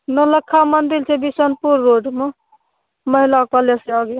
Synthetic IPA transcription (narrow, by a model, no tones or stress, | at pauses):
nələkʰːamənd̪ilt͡ʃʰɛbisənpuɾːoɖme | məɦilakpəleseaɡe